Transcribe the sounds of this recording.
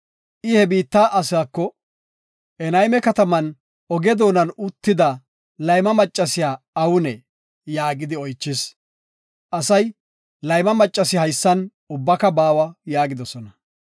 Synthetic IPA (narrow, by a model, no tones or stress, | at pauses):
ʔɪhɛbiːt̪ːaːʔɐsaːkːɔ | ʔɛnɐjmɛkɐt̪ɐmɐn | ɔɡɛd̪o̞ːnɐnʊt̪ːɪd̪ɐ | lɐjmɐmɐt͡ʃʼːɐsɪjaː | ɐwʊnɛ | jaːɡɪd̪ɪɔjt͡ʃːɪs | ʔɐsɐj | lɐjmɐmɐt͡ʃʼːɐsɪhɐjsːɐn | ʊbːɐkɐbaːwɐjaːɡɪd̪ɔsɔnɐ